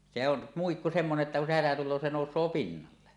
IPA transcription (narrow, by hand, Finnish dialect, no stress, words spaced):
se on muikːu semːoneʔ ʔetːæ kun se hætæ tulˑoː se noˑusˑoː pinːɑlːe